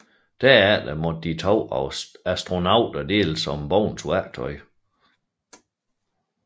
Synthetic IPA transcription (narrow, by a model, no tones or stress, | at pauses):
d̥æɐæd̥æmɒ̥d̥it͡sʰɒʊ̰ɒæsd̥ʁo̝nɑ̈ʊd̥ɐd̥e̝̰ːləsɒ̽mb̥ɒʊ̰nt͡sʰuæt͡sʰɒɪ